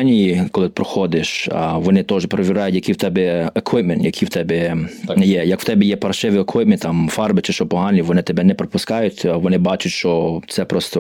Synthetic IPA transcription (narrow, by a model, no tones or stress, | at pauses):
nʲikɔlˠɪt̪ɪpɾɔxɔd̪ɪʃʋɔnɪt̪ɔʒɛpɾɔʋʲiɾɑjʊtʲjɐkijwt̪ɛbɛekʋɪpmɛnt̪jɐkʰijwt̪ɛbɛjɛjɐkw̥t̪ɛbʲɛjɛpɐrʃɪʋɪɔkwɪp̚mʲɪnt̪ɑmfɑrbɪt͡ʃɪʃɔpɔɦɑnʲiʋɔnɪt̪ɛbɛnɛpɾɔpʊskɑjʊtʲʋɔnɪbɑt͡ʃʊtʲʃt͡ʃɔt̪sɛpɾɔst̪ɔ